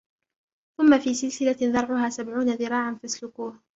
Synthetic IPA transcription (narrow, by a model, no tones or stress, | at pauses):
θʊmːafiːsɪlsɪlaðɑɾˤʕʊɦaːsabʕuːnaðɪɾˤɑːʕanfaslʊquːh